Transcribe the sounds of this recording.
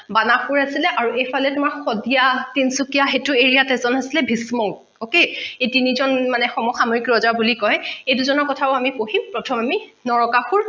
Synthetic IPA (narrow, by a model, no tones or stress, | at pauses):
banakuɹasilɛʔaɹuejpʰalɛtʊmaɹxɔdijatinsukijaxetʊeɹijatɛzɔnasilɛbʱismɔɡ | okeejtinizɔnmanɛxɔmɔxamɔikɹɔzabulikɔjɛejduzɔnɔɹkɔtʰabɔamipohimpɹɔtʰɔmaminɔɹɔkaxuɹ